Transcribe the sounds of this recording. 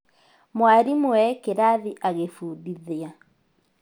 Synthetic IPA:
mwaɾimoɛkeɾaðiʔaɣefuːðiðea

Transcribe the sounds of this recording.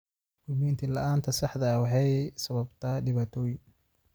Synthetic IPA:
kʊmiːnt̪ʰilɐʔaːnt̪ʰɐsɑħd̪ɐwɑħɑjsɐβɐbt̪ʰɐɖɪβaːt̪ʰɔːjɪŋ

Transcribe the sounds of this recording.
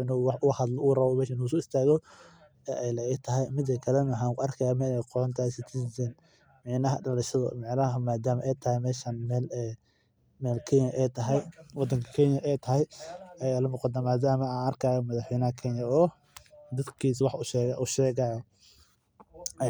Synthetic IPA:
ɪnʊwɑʔʊhɐd̪lɔuːrɐβɔmɛːʃɪnusɔɪst̪ʰaːɣɔ | ɛʔɛjlɐɛt̪ʰɐɦɛjmɪd̪ɐkʰɐlɛnɐħaːŋkʰʊɐrkʰɐjaːmɛːlɛqɔɔnt̪ʰasɪt̪ʰisɛn | mɑʕnɐɦɐɖɐlɐʃɐðɐmɪʕnɐɦɐmaːd̪aːmɐʔɛjt̪ʰɐhɛjmɛːʃanmɛlɛ | mɛːlkʰɛɲɐʔɛjt̪ʰɐɦɛjwɑd̪ɐŋkʰɐ̥kʰɛnjɐʔɛjt̪ʰɐɦɛjɛjalɐnɔqɔd̪nɐmaːd̪aːmɐaɐrkʰaːjɔmɐðɑħwɛjnɐhɐkʰɛnjɐɔː | d̪ɐd̪kʰiːswɑħʊʃɛːɣɐʔʊʃɛːɣajɔ

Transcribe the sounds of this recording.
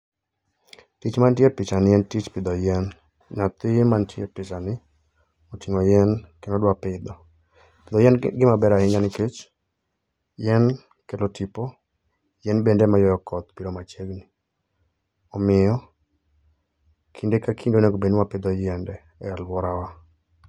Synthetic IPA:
tit͡ʃmantjepɪt͡ʃanɪjɛntit͡ʃpɪd̪ɔjɛn | ɲat̪ɪmantjḛpɪt͡ʃanɪ | otiŋɔjɛnkenodwapɪd̪ɔ | pɪd̪ɔjɛnɡɪmabɛɾaɪɲanɪket͡ʃ | jɛn | kelotipɔ | jɛnbendɛmajɔjɔkɔt̪piɾomat͡ʃeɡni | ɔmɪjɔ | kʰindekakʰindoneɡobenwapɪd̪ɔjɛndɛ | ɛɛlwɔɾawa

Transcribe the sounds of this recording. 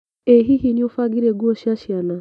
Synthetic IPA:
eɦiɦinjofaɡiɾeɡuoʃaʃjana

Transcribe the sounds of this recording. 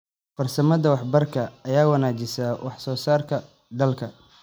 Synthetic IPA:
fɐrsɐmɐðɐwɑħbɐrkʰɐɐjaːwɐnaːt͡ʃɪsawʔɑħsɔːsaːrkʰɐ | d̪ɐlkʰɐ

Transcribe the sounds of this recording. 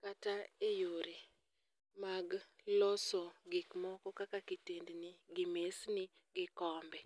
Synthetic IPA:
kataejoɾe | maɡlɔsɔɡɪkmɔkɔkakakitendnɪɡɪmesnɪ | ɡɪkɔmbɛ

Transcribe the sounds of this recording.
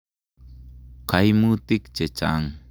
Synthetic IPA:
kajmut̪ikt͡ʃet͡ʃa̰ŋ

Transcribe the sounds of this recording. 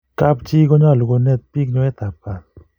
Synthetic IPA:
kap̚t͡ʃiɡɔɲaluɡɔnet̪̚pik̚ɲɔet̪ap̚kat̚

